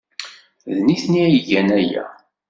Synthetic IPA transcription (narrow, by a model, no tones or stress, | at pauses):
ðniθnijʝænæjæ̰